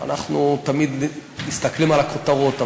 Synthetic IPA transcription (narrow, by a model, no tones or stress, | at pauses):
a̰naχnut̪amid̪mist̪aklimalakot̪aʁot̪a